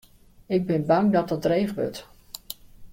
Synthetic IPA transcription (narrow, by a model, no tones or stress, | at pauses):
ɪɡ̚bɪnbɑŋdɔtdɔdrejvʋøɹt